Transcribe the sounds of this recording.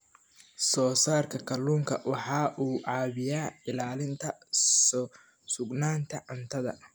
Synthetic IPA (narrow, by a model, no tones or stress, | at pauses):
sɔːsaːrkʰɐkʰɐluːŋkʰɐwɑħɑːʔuːʕɑːβɪjaːɪlaːlɪnt̪ʰɐ | sʊɡnaːnt̪ʰɐʕʊnt̪ʰɐðɐ̰